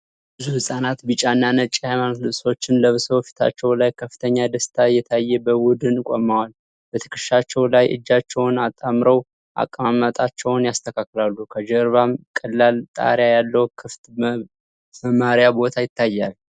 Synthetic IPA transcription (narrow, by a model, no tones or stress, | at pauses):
bɨzuhɨsʼanat̪bɨt͡ʃʼanːanət͡ʃʼːihajmanot̪lɨβso̞t͡ʃːɪnləβsowfi̥t̪ʰa̰t͡ʃːɛwlajkʰəfːɨ̥t̪ʰəɲːad̪əst̪ʰajɛt̪ʰajːɛbəwʊd̪ɨnkʼo̰mːawal | b̥ət̪ʰə̥kʰɨʃat͡ʃːɛwlajʔɨ̰d͡ʒːat͡ʃːɛwnat̪ʼamɾəw | ʔa̰kʼːəmamət̪ʼat͡ʃːɛwnjast̪ʰəkʰakːɨlalːukʰəd͡ʒəɾβamkʼəlːalt̪ʼa̰ɾjajalːəwkʰɨft̪ | məmːaɾijabo̞t̪ʰajɪt̪ːajːal